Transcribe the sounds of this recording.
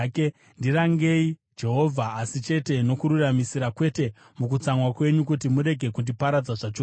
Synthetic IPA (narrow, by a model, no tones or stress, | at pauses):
k | ndiɾaŋɡe̞id͡ʒe̞ɦo̞vʱaːsit͡ʃe̞te̞no̞kuɾuramisiɾakwe̞te̞ | muk̬ut͡samwakwe̞ɲuk̬utimuɾe̞ɡʱe̞kundipaɾad͡zaʐat͡ʃo